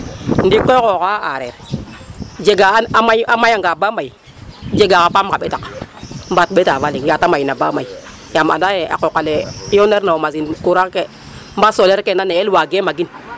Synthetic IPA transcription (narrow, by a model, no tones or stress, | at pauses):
ndikokokaa̰ɾḛɾ | d͡ʒeɡamaamajaŋɡabamai | d͡ʒeɡakapamkaɓetakmbat̚ɓetavaliŋjatamainabamai | jama̰dajea̰kokalejoneɾnaomazinkuɾake | mbasoleɾkenaneelwaɡemaɡin